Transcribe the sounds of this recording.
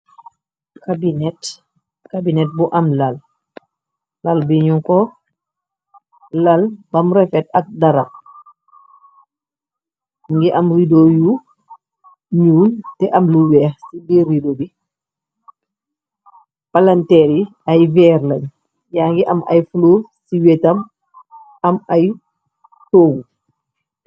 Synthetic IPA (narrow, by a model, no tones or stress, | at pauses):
kabinɛt | kabinɛt̚buʔɐmlɐl | ɐlbiɲuŋkɔ | lɐlbɐmɾɛfɛtɐk̚dɐɾɐp̚ | ŋɡiʔɐmɾidoju | ɲuːntɛʔɐmluwɛːxsiɡiridobi | pɐlɐntɛɾi | ɐjvɛːrlɐɲ | jaːŋɡiʔɐmɐ̰jfluːsiwɛtɐm | ɐmɐj | toːɡu